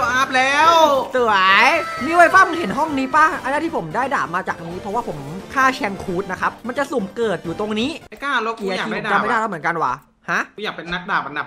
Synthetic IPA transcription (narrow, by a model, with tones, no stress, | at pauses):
ʔaː˦˥p̚lɛː˦˥wsɯ˨˩a˦jmiː˧wa˧˥jpaː˥˩m˧˩he˩˦nɦɔ˥˩ŋniː˦˥paː˥˩ʔa˧na˥˩t̪ʰi˥˩o˩˦mdaː˥˩jdaː˨˩p̚maː˧t͡ɕaː˨˩k̚ʔa˧niː˦˥pʰɾɔ˦˥waː˥˩pʰo˩˦mkʰaː˥˩t͡ɕʰɛ˧ŋkʰuː˦˥t̪̚na˦˥kʰa˦˥p̚ma˧nt͡ɕa˨su˨˩mkɤː˨˩t̪̚juː˨˩t̪o˧ŋniː˦˥˧kaː˥˩lo˧˦˥ki˧a˧aː˨˩i˥˩a˨˧˦t͡ɕa˧˩ma˥˩˧da˥˩a˥˩m˩˦ə˦ŋka˧nwa̰ː˨˩ | ha˦˥ʔjaː˨˩k̚pe˧nːa˦˥k̚daː˨˩p̚a˧nda˨˩